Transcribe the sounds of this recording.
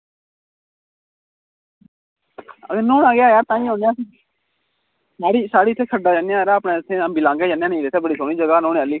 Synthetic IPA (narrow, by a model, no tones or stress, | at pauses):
əɡənõːnaːɡɪjaːjaːɾt̪ãːĩːɦõːnjãːs | saːɾiːsaːɽiːɪt̪ʰːeːkʰəɖaːd͡ʒanjãːɾaəpɳẽːt̪ʰːeːəmbiːlãːŋɡeːd͡ʒanjãːnĩːɾet̪ʰːeːbəɽiːsoːniːd͡ʒəɡaːnõːneəlːiː